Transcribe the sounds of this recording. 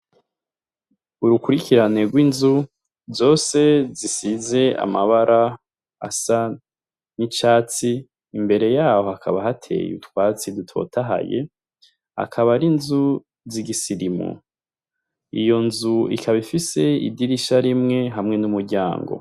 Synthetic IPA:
uɾukuɾikiɾane̞ɾɡwinzu | zo̞ːse̞zisize̞a̰maβaɾʔa | a̰sa | nit͡ʃaːt͡siː | mbe̞ɾe̞jaːhoakʰaβahatʰe̞̰jṵtwaːt͡sidutʰo̞̰tʰaɦa̰je̞̰ | a̰kʰaβaɾinzu | ziɡisiɾimṵ | ḭjo̞nzuḭkʰaβifise̞ḭdiɾiʃaɾimŋe̞ɦamŋe̞numuɾɟa̰ːŋɡo̞̰

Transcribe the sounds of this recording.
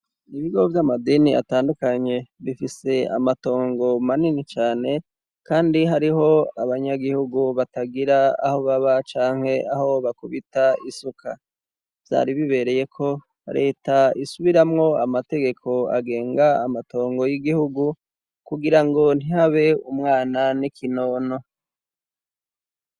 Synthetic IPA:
iβiɡovjamadinia̰taːndukaɲe̞βifise̞a̰mato̞ːŋɡo̞maninit͡ʃaːne̞ | kaːndiɦaɾiɦo̞aβaɲaɡihuɡuβataɡiɾaa̰ho̞βaβat͡ʃaːŋhe̞aho̞βakuβitaisukʰa̰ | vza̰ɾiβiβe̞ɾe̞je̞kʰo̞ | ɾe̞ːtaisuβiɾamŋo̞amate̞ɡe̞kʰo̞a̰ɡe̞ːŋɡaːmato̞ːŋɡo̞jiɡihuɡu | kuɡiɾaŋɡo̞n̥hihaβe̞umŋaːnanikino̞ːno̞

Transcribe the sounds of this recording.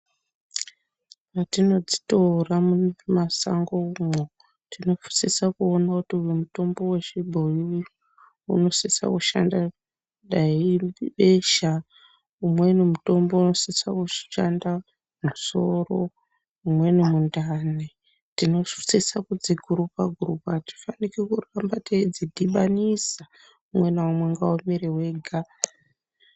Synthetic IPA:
ratino̞d͡zi̥toramunmasa̰ŋɡoumo | tʰino̞fu̥sisakuo̞nakutiujemuto̞mbo̞we̞ʃibʱojii | uno̞sisa̰kuʃa̰nda | ɗaiiɓeʃa | umwe̞nemuto̞mbo̞uno̞set͡sa̰ku̥ʃanda | muso̞ro̞̰ | umwenemundane | tino̞ʂu̥t͡sisakud͡ziɡʱuɾupaɡʱurupati̥fanikekurambateid͡zidʱiɓanisa | umwe̞naumweŋɡaomiɾewe̞ɡʱa

